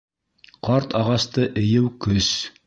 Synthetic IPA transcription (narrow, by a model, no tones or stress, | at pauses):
qɑɾt̪ɑʁɑst̪ɤʔɘ̆jɘwkɵs